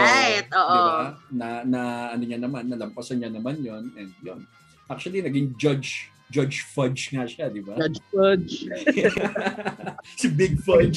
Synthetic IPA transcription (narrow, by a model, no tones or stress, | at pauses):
t̪̚ʔoːʔobanɐnɐʔɐnoɲanɐmanːɐlɐmpɐsɐnɲanɐmanjo̞nɛnd̪̚jo̰n | ʔak̚t͡ʃʊɐlinɐɡɪŋd͡ʒɐd͡ʒ | d͡ʒɐd͡ʒfɐd͡ʒŋɐʃad̪ɪbad͡ʒfɐd͡ʒ | sɪbɪɡ̚fɐd͡ʒ